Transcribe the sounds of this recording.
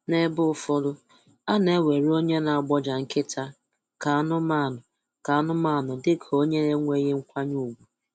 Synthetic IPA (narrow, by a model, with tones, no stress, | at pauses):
ne˦bʊ˦fʊ˦ɾʊ˦ | a˦ne˦we˨ɾo˦ɲe˦na˨a˦˨ɡ͡bɔ˦d͡ʒa˨ŋ̩˦kɪ˦tʰa˦ | ka˨a˦nʊ˦ma˦˨nʊ˨ | ka˨a˦nʊ˦ma˦˨nʊ˨dɪ˦kʰo˦ɲe˦ɾe˦ŋʷe˦ɣe˦ŋ̩˦kʷa˦ɲu˦˨ɡʷu˨